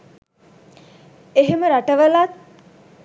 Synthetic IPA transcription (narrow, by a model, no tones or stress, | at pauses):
eɦeməɾaʈəʋəlat̪̚